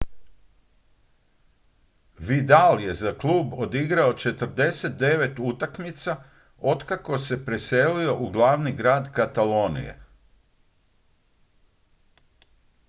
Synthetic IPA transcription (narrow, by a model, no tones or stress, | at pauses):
ʋid̪alje̞zaklˠuːbo̞d̪iɡɾao̞t͡ʃe̞t̪r̩d̪e̞se̞t̪̚d̪e̞ʋe̞t̪ut̪akmit̪sa | o̞d̪kako̞se̞pɾe̞se̞lio̞ʔuɡlˠaʋniɡɾaːd̪kat̪alo̞ːnḭjḛ